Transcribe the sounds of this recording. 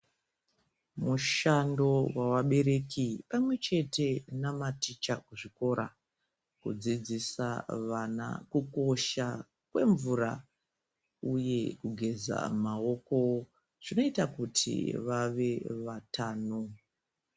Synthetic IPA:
muʃando̞wawaɓe̞ɾe̞kipamwe̞t͡ʃe̞te̞namatit͡ʃakuʐiko̞ɾa | kṵd͡zid͡zisaʋana̰kuko̞ʃa | kwe̞ɱvuɾa | uje̞kuɡʱe̞za̰mao̞ko̞ | ʐ̥ino̞itakutʰḭʋaʋe̞ʋatʰaːno

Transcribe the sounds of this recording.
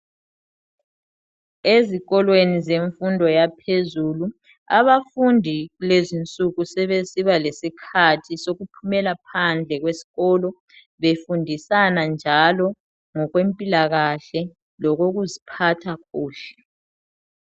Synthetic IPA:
eziɣɔlwenizeɱfundʱɔjapʰezulu | a̰βafundʱiɣulezint͡sʼuɣusɛβesiβalesikʰatʰisoɣupʰumɛlapʰand͡ɮʱɛɣwesi̥ɣɔːlɔ | βefundʱisanand͡ʒʱalɔ | ŋɔɣwempʼilaɣaɬɛ | lɔɣoɣuzipʰatʰaɣuːɬɛ̥

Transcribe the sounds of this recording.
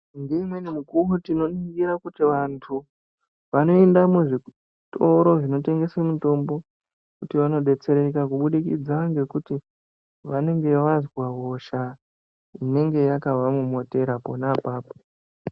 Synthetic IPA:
ndeimwenimukurutino̞niɡiɾakutiʋantʰu | ʋano̞endamuʐi | to̞ɾo̞ʐino̞te̞ŋɡe̞semuto̞mbo̞ | kutiʋano̞ɗe̞t͡se̞ɾe̞kakuɓuɗikid͡zaŋɡe̞kuti | ʋane̞ŋɡe̞ʋazwaɦoʃa | ine̞ŋɡe̞jakavʱamumo̞te̞ɾapo̞napaːpo

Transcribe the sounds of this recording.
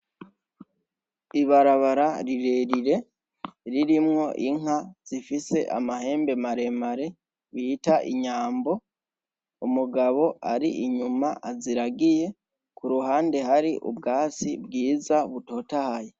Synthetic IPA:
iβaɾaβaɾaɾiɾe̞ɾiɾe̞ | ɾiɾimŋo̞ʔiŋaz̥ifise̞ʔa̰mahe̞ːmbe̞maɾe̞maɾe̞ | βiːtaʔiɲaːmbo̞ | umuɡaβo̞aɾiʔiɲumaʔaziɾaɡije̞ | kuɾuɦaːnde̞haɾiʔṵbɡaːsibɡiːzaβuto̞ːtahaje

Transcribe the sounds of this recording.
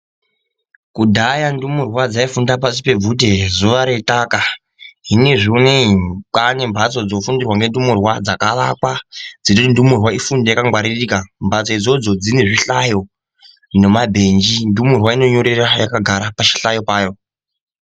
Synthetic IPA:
kudʱajandumurwad͡zaifundapasi̥pe̞vute̞zuʋaɾe̞taka | ɦine̞ʐioneikane̞mbʱat͡so̞d͡zofundirwaŋɡe̞ndumurwad͡zakaʋakwad͡zinotindumurwaifundajakaŋɡwaɾiriːkambʱat͡soid͡zo̞d͡zo̞d͡zine̞ʐiɬajo̞ | nemabʱe̞nd͡ʒindumurwaino̞ɲoɾerajakaɡʱaɾapat͡ʃi̥ɬajo̞paːjo̞

